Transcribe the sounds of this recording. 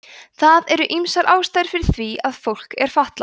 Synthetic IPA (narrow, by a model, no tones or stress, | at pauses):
θaðɛɾʏʔimsaɾʔaːwst̪ajðɾ̥fɪɾɪɾ̥θviaðfowl̥kɛɾ̥faht̪la